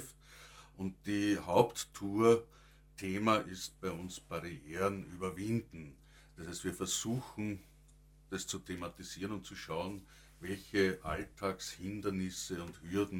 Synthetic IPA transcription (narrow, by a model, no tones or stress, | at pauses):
f | ʊnt̚d̥ihaʊptːʰuːɐ | tʰeːmaʔɪst̚b̥æɪʊnsb̥aʁieːʁənyːbɐvɪ̃ndn̩ | d̥ɐshɛɪstv̥iːɐfɛɐzuːxn̩ | d̥ast͡sutʰematisiːʁənʊntt͡suʃɑʊn | vɛlçəʔa̰ltʰaːkshɪndɐnɪsəʊnthyɐdn̩